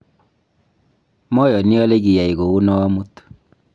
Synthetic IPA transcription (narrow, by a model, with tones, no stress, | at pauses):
mɔ˦jɔ˨ni˦ɔ˦le˦ɡi˨ja˨i˨ɣo˨u˦nɔ˦ɔ˦mu˦t